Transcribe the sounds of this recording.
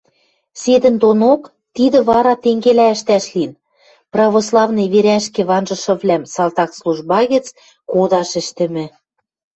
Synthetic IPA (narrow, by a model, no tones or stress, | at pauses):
sed̪ɘ̆nd̪onok | t̪id̪ɘ̆βɑɾɑt̪eŋɡelæɘ̆ʃt̪æʃlin | prɑβoslˠɑvnɤ̆jβeɾæʃkĕβɑnʒɤ̆ʃɤ̆βlæmsɑlˠt̪ɑkslˠuʒbɑɣɘ̆t͡s | kod̪ɑʃɘ̆ʃt̪ɘ̆mɘ̆